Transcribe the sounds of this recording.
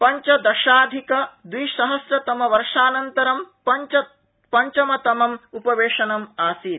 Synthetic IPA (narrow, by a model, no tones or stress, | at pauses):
pɐɲt͡ʃɐd̪ɐʃaːd̪ʱikɐd̪ʋijʃɐɦɐsɾɐt̪ɐmɐʋɐɾʂaːnɐnt̪ɐɾɐmpɐt͡ʃɐ | pɐɲt͡ʃɐmɐt̪ɐmɐmupɐʋeːʂɐnɐmaːsiːɾ